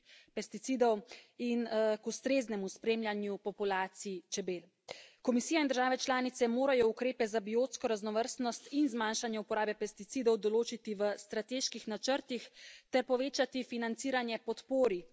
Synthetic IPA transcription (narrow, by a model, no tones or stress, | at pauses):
pɛst̪it̪siːd̪ɔwinkust̪ɾeːznɛmuspɾeːmljanjupɔpulaːt̪siit͡ʃɛbeːl | kɔmisiːjaind̪əɾʒaːʋɛt͡ʃlaːnit̪sɛmoːɾajɔukɾeːpɛzabioːt̪skɔɾaznɔʋəɾst̪nɔst̪inzmanʃanjɛupɔɾaːbɛpɛst̪it̪siːd̪ɔwd̪ɔloːt͡ʃit̪iʋəst̪ɾat̪eːʃkixnat͡ʃəɾt̪ixt̪ɛɾpɔʋeːt͡ʃat̪ifinant̪siːɾanjɛpɔt̪poːɾi